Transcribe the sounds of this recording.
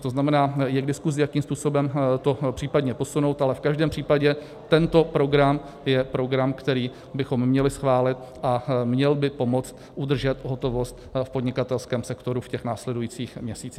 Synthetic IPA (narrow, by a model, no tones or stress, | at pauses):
t̪oznamɛnaːjɛɡdɪskuzɪjakiːmspuːso̞bɛmt̪o̞pr̝̥iːpadɲɛpo̞sunowt̪alɛfkaʒdɛːmpr̝̥iːpaɟɛ | t̪ɛnt̪o̞pɾo̞ɡɾam | jɛpɾo̞ɡɾamkt̪ɛɾiː | bɪxo̞mːɲɛlɪsxvaːlɪt̪̚ | ʔamɲɛlbɪpo̞mo̞t͡st̪ | ʔud̪r̩ʒɛt̪ɦo̞t̪o̞vo̞st̪̚fpo̞dɲɪkat̪ɛlskɛːmsɛkt̪o̞ɾufcɛxnaːslɛdujiːt͡siːxmɲɛsiːt͡siːx